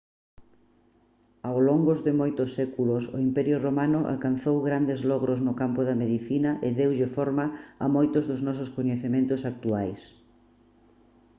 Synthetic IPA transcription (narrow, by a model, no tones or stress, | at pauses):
awloŋɡozðɪmojt̪ʊsːɛkulʊsʊ̰impɛɾjʊromanʊʔa̰lkan̟θowɣɾand̪ɪzlɔɣɾʊznʊkampʊðɐmeðiθinɐʔɪðewʎɪfɔɾmɐɐ̰mojt̪ʊzðʊznɔsʊskoɲeθemẽnt̪ʊsak̚t̪uajs